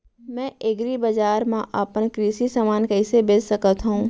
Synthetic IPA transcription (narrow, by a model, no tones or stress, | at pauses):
mɛ̃ːʔeɡɾibəd͡ʒaːɾmãʔapənkɾiːʃisaːmaːnkɐɪsebeːd͡ʒsɐkət̪ɦuũː